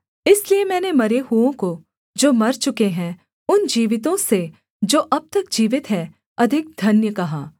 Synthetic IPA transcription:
ɪsliemɛ̃ːnemɐɾeɦuõko | d͡ʒoːmɐɾt͡ʃʊkeɦɛ̃ | ʊnd͡ʒiːʋɪt̪õse | d͡ʒoːʔɐb̚t̪ɐkd͡ʒiːʋɪt̪ɦɛ̃ | ɐd̪ʱɪk̚d̪ʱɐnjəkɐɦaː

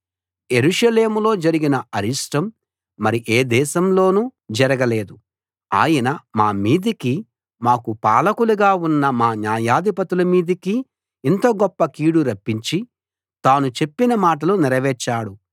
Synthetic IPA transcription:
je̞ɾuʂɐle̞ːmulo̞ːd͡ʒɐɾiɡinɐʔɐɾiʂʈɐmː | ɐɾiʔeːd̪ɛːʃɐmlo̞ːnud͡ʒɐɾɐɡɐle̞ːd̪u | a̰ːjɐnɐmaːmiːd̪iki | maːkupa̰ːlɐkuluɡaːunːɐmaːnjaːjaːd̪ipɐt̪ulɐmiːd̪iki | int̪oːɡɔpːɐkiːɽuɾɐpːiɲt͡ʃi | t̪aːnut͡ʃe̞pːinɐmaːʈɐlunɛɾɐʋɛːɾt͡ʃːaːɽu

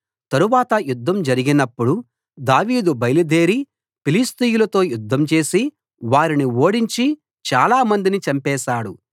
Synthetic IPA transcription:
t̪ɐɾuʋaːt̪ɐjud̪ʱːɐmd͡ʒɐɾiɡinɐpːuɽu | d̪aːʋiːd̪ubɐjlid̪e̞ːɾi | pilist̪ijulɐt̪o̞ːjud̪ʱːɐmt͡ʃe̞ːsi | ʋaːɾinio̞ːɽiɲt͡ʃi | t͡ʃaːlaːmɐnd̪init͡ʃɐmpɛːʃaːɽu

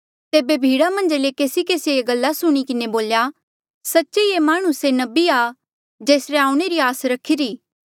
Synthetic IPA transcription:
t̪eːbebʱiːɽamɐ̃nd͡ʒlekeːsikeːsieeɡɐlːasʊɽ̃ikɪneboːlja | sɐtːʃeemaːɽ̃ʊsenɐbia | d͡ʒeːsɾeaːũɽ̃eɾiaːsɾɐkʰːiɾiː

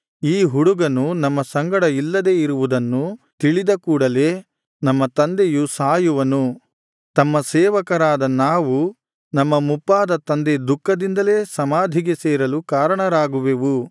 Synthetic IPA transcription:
iːɦuɽuɡɐnunɐmːɐsɐŋɡɐɽɐilːɐd̪e̞ːiɾuʋud̪ɐnːut̪iɭid̪ɐkuːɽɐle̞ | nɐmːɐt̪ɐnd̪ejusaːjuʋɐnu | t̪ɐmːɐsɛːʋɐkɐɾaːd̪ɐnaːʋu | nɐmːɐmupːaːd̪ɐt̪ɐnd̪ed̪ukʰːɐd̪ind̪ɐle̞ːsɐmaːd̪ʱiɡe̞sɛːɾɐlukaːɾɐɳɐɾaːɡuʋeʋu

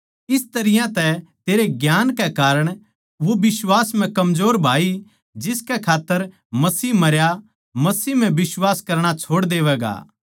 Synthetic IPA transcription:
ɪst̪ɐɾɪjãt̪ɛt̪eːɾeɡjaːnkɛkaːɾəɽ̃ | ʋobɪswaːsm̤ɛ̃kɐmzoːɾbʱaːi | d͡ʒɪskɛkʰaːt̪ːəɾ | mɐsiːmɐɾja | mɐsiːm̤ɛ̃bɪswaːskɐɾɽ̃at͡ʃʰoːɽd̪eːʋɛːɡa̰ː

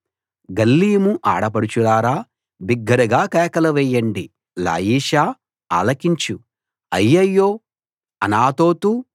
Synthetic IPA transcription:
ɡɐlːiːmuʔa̰ːɽɐp̬ɐɽut͡ʃulaːɾaː | biɡːɐɾɐɡaːkɛːkɐlɐʋɛːjːɐɳɖi | la̰ːjiːʃaː | a̰ːlɐkiɲt͡ʃu | ɐjːɐjːoː | ɐnaːt̪oːt̪u

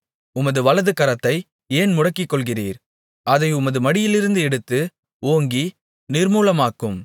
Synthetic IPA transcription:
ʊmɐðɯʋɐlɐðɯkɐɾɐt̪ːɐɪ | eːnmʊɽɐkːɪkːɔɭɣɪriːɾ | ɐðɐɪʊmɐðɯmɐɽɪjɪlɪɾɯnd̪ɯɛɽɯt̪ːɯ | oːŋɡi | nɪrmuːlɐmaːkːɯm

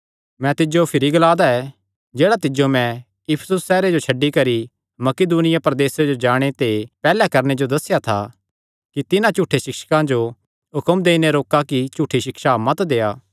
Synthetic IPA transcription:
mɛ̃t̪ɪd͡ʒopʰɪɾiɡɐlaːd̪aɛ | d͡ʒeːɽat̪ɪd͡ʒomɛ̃ | jɪpʰə̥sʊsːɛːɾed͡ʒot͡ʃʰɐɖːikɐɾi | mɐkɪd̪uːnɪjapɾɐd̪eːsed͡ʒod͡ʒaːɽ̃et̪epɛːlakɐɾñed͡ʒod̪ɐsːɪjat̪ʰa | kit̪ɪnãt͡ʃuːʈʰːeʃɪkʃə̥kãd͡ʒo | ɦʊkəmd̪eːineɾoːkakit͡ʃuːʈʰːiʃɪkʃamɐt̪d̪eːaː

